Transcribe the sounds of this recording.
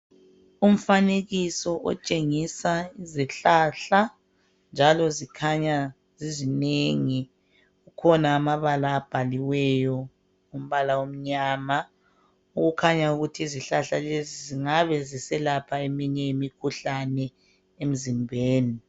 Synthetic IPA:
um̩faneɣisɔʔɔ̰t͡ʃʼeŋisaiziɬaɬa | nd͡ʒʱalɔzikʰaɲa | zizineŋi | ɣukʰɔnaːmaβalaːb̥ʱaliwɛjɔ | ŋom̩βalawom̩ɲaːma | uɣukʰaɲauɣutʰiːziɬaɬaleziziŋaβɛzisɛlapʰaemiɲɛimikʰuɬanɛ | em̩zimbʱeːni

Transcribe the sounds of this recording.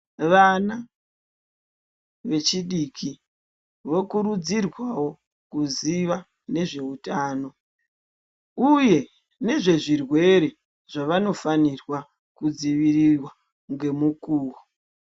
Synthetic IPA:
ʋana | ʋe̞t͡ʃiɗikʰi | ʋo̞kuɾud͡zirwawo̞ | kuziʋa | ne̞ʐe̞utaːno̞ | uje̞ | ne̞ʐe̞ʐirwe̞ɾe̞ | ʐ̥aʋano̞fanirwa | kud͡ziʋirirwa | ŋɡe̞mukuːwo

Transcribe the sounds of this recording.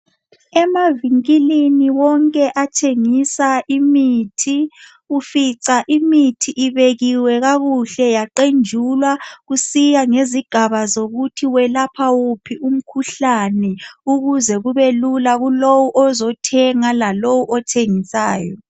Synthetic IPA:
ɛmaviŋkiliniwɔŋkʼɛʔatʰeŋisaʔimitʰi | ufiǀaʔimitʰiʔiβeɣiwɛɣaɣuɬɛjaǃend͡ʒʱulwaɣusijaŋeziɡ̥ʱaβazoɣutʰiwɛlapʰawupʰium̩kʰuɬanɛuɣuzɛɣuβelulaɣulowuʔɔzɔtʰɛŋalalowuʔɔtʰeŋisaːjɔ

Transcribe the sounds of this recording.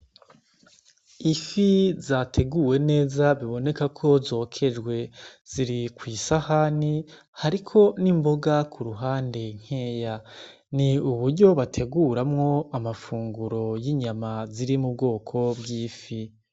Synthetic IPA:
ifizaːtʰe̞ɡuwe̞ne̞ːzaβiβo̞ne̞kakʰo̞zo̞ːkʰe̞d͡ʒɡwe̞z̥iɾikwiːsahani | haɾikʰo̞nimbo̞ɡakʰuɾuɦaːnde̞ŋ̥he̞ːja | niuβuɾɟo̞βatʰe̞ɡuːɾamŋo̞amafuːŋɡuɾo̞jiɲamaziɾimub̚ɡo̞ːkʰo̞bɡiːfi

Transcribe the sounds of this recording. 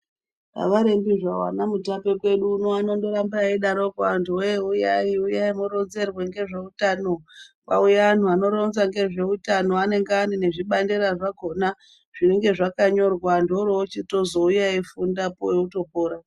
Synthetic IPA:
pa̰ʋaɾe̞mbiʐawa̰namutape̞kwe̞ɗuːnoano̞ndo̞ɾambaiɗaɾokuantʰuojeujaiujaimoɾo̞nze̞rweŋɡe̞ʐe̞utano̞ka̰ujaan̤uano̞ɾo̞nzaŋɡe̞ʐe̞utano̞ane̞ŋɡeanine̞ʐiɓandeɾaʐaɡʱo̞na | ʐ̥ine̞ŋɡe̞ʐakaɲo̞rwandoɾoot͡ʃito̞zoujaifundapoeuto̞poːɾa

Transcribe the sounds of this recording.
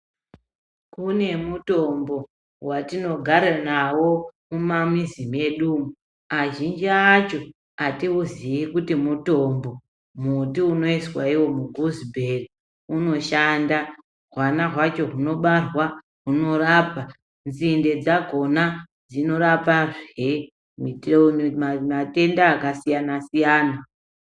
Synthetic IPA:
kune̞muto̞mbo̞ | watino̞ɡʱaɾanawo̞mumamizime̞ɗuːmu | aʒind͡ʒiat͡ʃo̞ | atiuziikutimuto̞mbo̞ | mutiuno̞iswaiwo̞muɡʱuzibʱeri | uno̞ʃanda | rwanaɦwat͡ʃo̞ɦuno̞ɓarwa | ɦuno̞raːpa | nzinde̞d͡zaɡʱo̞na | d͡zino̞ɾapaʐe | mi | mate̞ndaːkasijanasijaːna

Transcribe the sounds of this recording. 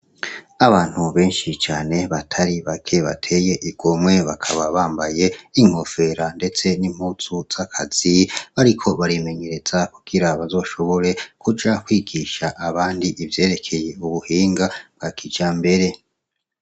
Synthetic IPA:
aβaːn̥huβe̞ːnʃit͡ʃaːne̞βatʰaɾiβakʰe̞βatʰe̞je̞ʔiɡ̥omwe̞βakʰaβaβaːmbaje̞iŋ̥ho̞fe̞ɾande̞t͡se̞nim̥huːsuz̥akʰaz̥iβaɾikʰo̞βaɾime̞ɲe̞ɾe̞z̥akuɡ̥iɾaβazo̞ːʃo̞βo̞ɾe̞kʰud͡ʒakwiːɡiʃaʔaβaːndiʔivje̞ːɾe̞kʰe̞je̞uβuhiːŋɡabɡ̥akʰid͡ʒambe̞ɾe̞

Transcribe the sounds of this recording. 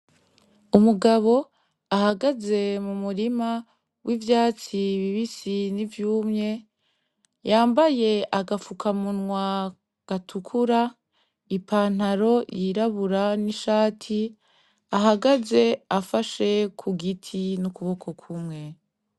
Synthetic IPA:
umuɡaβo̞ | ahaɡaze̞mumuɾima | wʔivjaːt͡siβiβisinivjuːmɲe̞ | jaːmbaje̞aɡafukʰamunŋwa | ɡ̥atʰukʰuɾa | ipʰaːn̥aɾo̞jʔiɾaβuɾaniʃaːtʰi | aɦaɡaze̞afaʃe̞kʰuɡitʰinukuβo̞kʰo̞kʰumŋe̞

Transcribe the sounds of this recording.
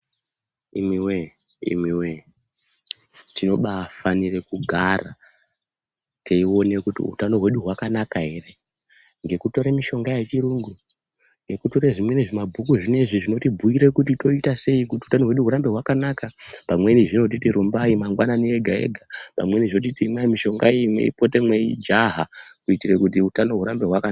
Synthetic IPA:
imiwe | ḭmwiwe | tino̞ɓaːfanire̞kuɡʱara | tʰeiwo̞ne̞kutḭṵtano̞ɦwe̞ɗuɦwakanakaɦe̞re̞ | ŋɡe̞kuto̞ɾamiʃo̞ŋɡajet͡ʃiɾuŋɡu | nɡe̞kutoɾeʐimwe̞neʐimabʱukuʐine̞ʐiʐino̞tibʱuiɾe̞kut̬ito̞itase̞ikutiutano̞ɦwe̞ɗuɦuɾambe̞ɦwakanakapamwe̞niʐino̞t̬itiɾumbaimaŋɡwananieɡʱae̞̰ɡʱapa̰mwe̞niʐinot̬itimwamiʃo̞ŋɡa̰eimwḛḭpo̞te̞mweḭd͡ʒaɦakuitirekutiutano̞ɦwuɾambe̞ɦwaka

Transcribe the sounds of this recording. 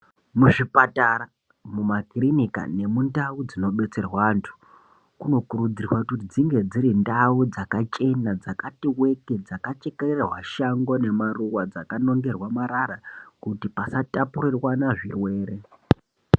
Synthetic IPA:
muʐipataɾa | mumakirinika̰ne̞mundaud͡zino̞ɓe̞t͡se̞rwantʰu̥ | kuno̞kuɾud͡zirwakutid͡ziŋɡe̞d͡ziɾindaud͡zakat͡ʃe̞nad͡zakatiwe̞ke̞d͡zakat͡ʃekereerwaʃaŋɡo̞ne̞maruwad͡zakano̞ŋɡe̞rwamaɾaɾakutipasatapurirwanaʐirwe̞ːɾe

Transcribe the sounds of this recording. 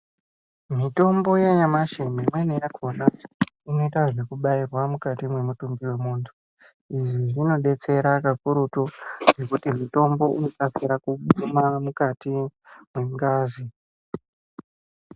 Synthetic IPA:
mito̞mbo̞jeɲamaʃememwenejakʰo̞naino̞itaʐe̞kuɓairwamukatimwe̞mutumbiwe̞muːntʰu | iʐiʐino̞ɗe̞t͡se̞ɾakakuɾutoʐe̞kutimito̞mbo̞ʔino̞tasiɾakuɓumamukatimwe̞mukaːzi

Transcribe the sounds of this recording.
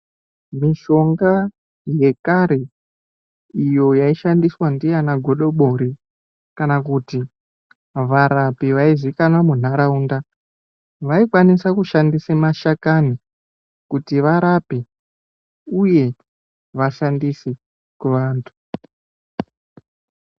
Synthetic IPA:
miʃo̞ŋɡa | je̞kaɾe̞ | ijo̞jaiʃandiswandijanaɡʱo̞ɗo̞ɓo̞ɾi | kanakuti | ʋaɾapiʋaizikanwamun̤aɾauːnda | ʋaikwanisakuʃandisemaʃakani | kutiʋaɾapi | uje̞ | ʋaʃandise | kuʋaːntʰu̥

